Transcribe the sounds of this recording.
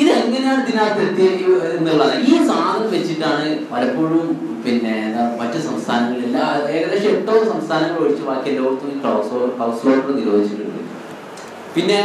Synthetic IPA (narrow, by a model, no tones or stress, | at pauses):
iðɨɐŋːɐnejaːɳɨt̪inaːprɐt̪jeːkːuenːiuɭːaːnɐiːsaːd̪ɐʋet͡ɕːiʈːaːɳɨmɐɾɐpːoːɻum | pinːe̞namɐtːusɐmst̪ʰaːnɐŋːɐɭelːaeːɾɐlːekʂmeʈːoːsɐmst̪ʰaːnɐŋːɐɭɐɻit͡ɕːɨʋaːkːijɐlːoːrt̪ːuikroːsoːrkɐːsfoːʈrɐniɾo̞ːd̪ʱit͡ɕːɨɣːɐɭḭlːɐ̰ | pinːe̞